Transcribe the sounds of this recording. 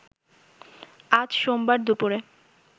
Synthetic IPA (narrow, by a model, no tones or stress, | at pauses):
ad͡ʑʃombaɾd̪upuɾe